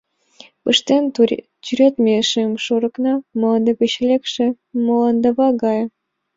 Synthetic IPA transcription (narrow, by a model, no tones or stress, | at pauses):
pəʃt̪en | t͡ɕyɾʲet̪mʲeʃemʃoɾə̆knɑmolɑnd̪epeɕelekʃĕ | molɑnd̪əβɑɡɑj